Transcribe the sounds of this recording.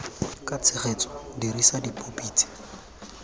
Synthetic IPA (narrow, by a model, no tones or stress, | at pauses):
kʼat͡sʰɪχet͡sɔ̥diɾisadipʼopʼiːt͡sʰʼi̥